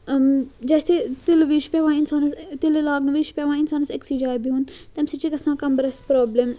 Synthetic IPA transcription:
d͡ʒɛːseːt̪ɪlʋiːʃpɛːʋãːɪnsaːnst̪ɪllaːɡnʋiːʃpɛʋãːɪnsaːnseksiːd͡ʒaːjbʱiːɦũːnt̪ɛmsit͡ʃikɐsãːkɐmbəɾɐspɾɔːblem

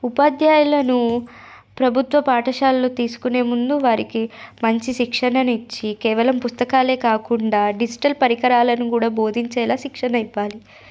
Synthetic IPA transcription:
upɐd̪jaːjulɐnu | pɾɐbʱut̪ʋɐpaːʈɐʃaːlːoːt̪iːsu̥kune̞ːmund̪uʋaːɾikimɐɲt͡ʃiʃikʂɐnɐnit͡ʃːikeːʋɐlɐmpust̪ɐkaːle̞ːkaːkuɳɖaːɖid͡ʒiʈɐlpɐɾikɐɾaːlɐnukuːɽaːbo̞ːd̪ʱiɲt͡ʃɛːlaːʃikʂɐnɐiʋːaːli

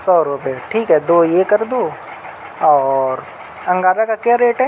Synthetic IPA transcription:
sɔːɾʊpeʈʰiːkɦɛd̪oːjekɐɾd̪uː | ɔːɾ | ɐ̃ŋɡaːɾakakjaɾeːʈɦɛ

